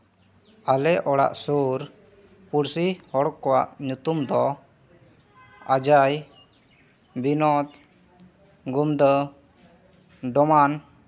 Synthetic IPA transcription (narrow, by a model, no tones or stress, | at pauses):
alɛʔɔɽa̰ʔsuɾ | puɾsihɔɽɔkːɔwaʔɲut̪umd̪ɔ | ad͡ʒaj | binɔt̪ | ɡumd̪ə | ɖɔman